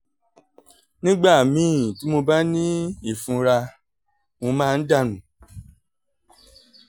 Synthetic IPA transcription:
nĩ˦ɡ͡ba˦˨mĩ˨˦˨ti˨˦mo˧ba˦nĩ˦i˦˨fũ˧ɾa˧ | mõ˧mãː˦˧n̩˦da˦˨nũ˨

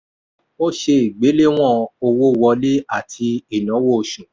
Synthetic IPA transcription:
o˦ʃe˧i˨ɡ͡be˨˦le˦w̃ɔ̃˦˨o˧wo˦˨˧wɔ˧le˦a˦˨tʰi˧e˨nɔ̃˨˦wo˦˧ʃũ˨

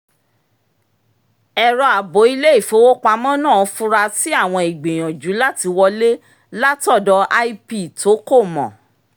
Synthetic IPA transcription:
ɛ˧ɾɔ˧a˨bo˨˦i˧le˦i˦˨fo˨˦wo˦k͡pa˧˦mɔ̃˦nãː˦˨˧fũ˦ɾa˧ti˦a˦˨w̃ɔ̃˧i˨ɡ͡be˨j̃ɔ̃˨d͡ʒu˨˦la˦ti˧wɔ˧le˦ | la˦tɔ˦˨dɔ˧˦ʔa˦i˦pi˦˨to˨˦ko˦˨mɔ̰̃˨

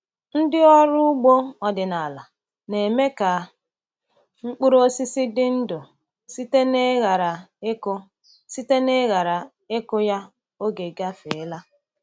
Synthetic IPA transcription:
n̩˦dɪ˦ɔ˦ɾʊ˦ʊ˦ɡ͡bo˦ɔ˨dɪ˨na˨la˨ | ne˨me˦ka˨ | ŋ͡m̩˦k͡pʊ˦ɾo˦si˦sɪ˦dɪ˦n̩˦do˨ | si˦te˦ne˦ɣa˨ɾa˨e˦ko˦ | si˦te˦ne˦ɣa˨ɾa˨ | e˦kʊ˦ja˦ | o˦ɡe˨ɡa˦fe˨e˦la˦

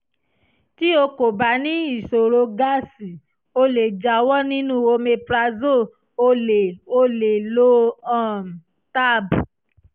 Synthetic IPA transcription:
ti˦o˧ko˨ba˨˦nĩ˦i˦˨so˨ɾo˧ɡa˦si˨ | o˧le˨d͡ʒa˨˦wɔ˦nĩ˦nũ˦o˧me˧pɾa˧zo˦˨˧ | o˧˦le˨lo˦ã˦˨ | ta˦bu˨

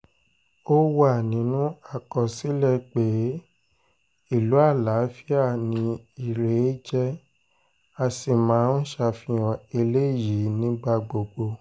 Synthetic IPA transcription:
o˦wa˦˨nĩ˨˦nũ˦a˦˨kɔ˨si˨˦lɛ˧˨k͡pe˨˦ | i˦˨lu˨˦a˦˨la˨˦fi˦a˦˨nĩ˧i˨ɾe˨˦d͡ʒɛ˦ | a˧si˨mãː˨˦n̩˦ʃa˧fĩ˧ɔ̃˨e˧le˦˨ji˨˦nĩ˦ɡ͡ba˧ɡ͡bo˨ɡ͡bo˧

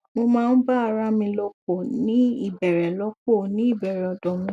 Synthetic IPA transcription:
mo˧mãː˦˧n̩˦ba˦a˧ɾa˦mĩ˧lɔ˧ko˦˨nĩ˦i˦˨bɛ˨ɾɛ˨lɔ˨˦k̚o˦˨nĩ˦i˦˨bɛ˨ɾɛ˨ɔ˨dɔ̃˨mĩ˧

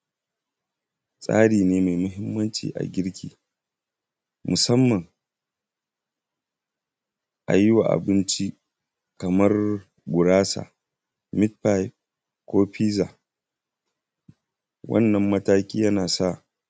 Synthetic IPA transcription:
sʼa̰ː˦ɽiː˨neː˦ma˨jmʊ˦ɦɪ˦mːɐ˦nt͡ʃḭː˨ʔa̰˨ɡʲɪ˦ɽkʲḭː˨ | mʊ˨sɐ˦mːɐ˨ŋ | ʔa̰˨jɪ˦waː˨ʔa̰˨bɪ˦nt͡ʃi˦ | kɐ˨mɐ˦r | ɡʷʊ˨ɽaː˦sa̰˨ | mɪ˦t̚pa˦jp | kʷoː˦ɸiː˦zaː˨ | wɐ̰˦nːɐ˨mːɐ˦taː˦kʲʼiː˦jɐ˦naː˨sa˦˨

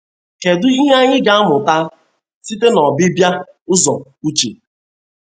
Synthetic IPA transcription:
ke˨dʊ˦i˦ɦa˦ɲɪ˦ɡa˨a˦mʊ˨ta˦ | si˦te˦nɔ˨bɪ˦bja˦ | ʊ˦zɔ˨u˦t͡ʃi˨

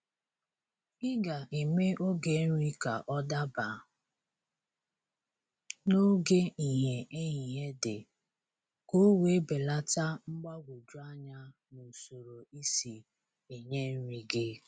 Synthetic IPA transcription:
ɪ˦ɡa˨ʔi˨me˦ʔo˦ɡe˨˦n̩˦ɾi˦ka̰˨ʔɔ˦da˦ba˨ | no˦ɡe˦i˨ɦe˨ʔe˦ɦi˨ɦe˦dḛ˨ | ko˦we˨˦be˨la˦ta˦ŋ͡m̩˦ɡ͡ba˦ɡʷu˨d͡ʒu˦a˦ɲa˦ | nu˨so˨ɾo˨i˦si˨ | e˨ɲe˦n̩˦ɾi˨ɡɪ˦

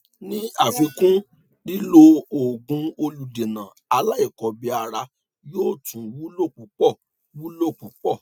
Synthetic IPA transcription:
nĩ˦a˦˨fĩ˧kũ˦ | li˦lo˧o˨ɡũ˧o˧lu˨de˨nã˨a˧la˦i˦˨kɔ˨bi˧a˧ɾa˧ | joː˦˨tʰũ˨˦wu˦lo˦˨k͡pu˨˦k͡pɔ˦˨ | wu˦lo˦˨k͡pu˨˦k͡pɔ˦˨

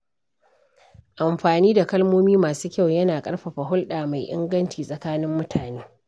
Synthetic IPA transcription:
ʔa˨mɸaː˨niː˦da˨kɐ˦lmoː˦miː˦maː˨suː˦kʲa˦˨wjɐ˦naː˨kʼɐ˦ɽɸɐ˨ɸa˨ɦʊ˦lɗaː˨ma˨jʔɪ̰˦ŋɡɐ˦nt͡ʃiː˨sʼɐ˨kaː˦nɪ˦mːʊ˦tʰaː˨neː˦

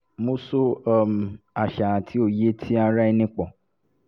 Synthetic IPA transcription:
mo˧so˦˨m˨a˨ʃa˨a˨tʰi˨˦o˧je˦tʰi˦a˧ɾa˦i˧nĩ˦k͡pɔ̃˨

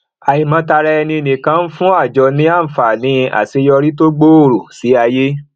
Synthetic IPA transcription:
a˨i˨mã˨˧ta˧ɾɛ˧ɛ˧nĩ˧e˧˨nĩ˨kã˧n̩˦fũ˦a˦˨d͡ʒɔ˨˧nĩ˨˦a˦˨n̩˨fa˨nĩ˧a̰˨se˧jɔ˧ɾi˦to˦ɡ͡bo˦o˦˨ɾo˨si˨˦a˧je˦

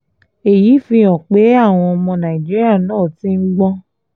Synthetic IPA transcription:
e˨ji˨˦fĩ˧ɔ̃˨k͡pe˨˦a˦˨w̃ɔ̃˧ɔ˧mɔ̃˧nã˨i˨d͡ʒi˦ɾi˦a˦˨nãː˦˨ti˨˦n̩˦ɡ͡bɔ̃˦

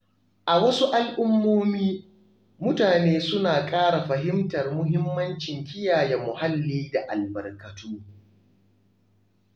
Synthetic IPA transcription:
ʔa˨wɐ˦su˦ʔa˦lʔʊ˦mːoː˦miː˦ | mʊ˦taː˨neː˦sʊ˦naː˨kʼaː˦ɽa˨ɸɐ˨ɦɪ˦mtɐ˨rmʊ˦ɦɪ˦mːɐ˦nt͡ʃɪ˨ŋkʲɪ˦jaː˨jɛ˨mʊ˨ha˦lːiː˦da˨ʔa̰˨lbɐ˨rkɐ˨tʰuː˦

